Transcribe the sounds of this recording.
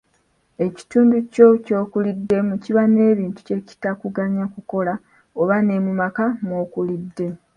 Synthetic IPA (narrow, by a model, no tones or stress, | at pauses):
e̞ci̥tuːnduco̞co̞ːkulidːe̞muciβane̞ːβiːntu̥ce̞ci̥takuɡaɲakuko̞la | oβane̞mumakamo̞ːkulidːe̞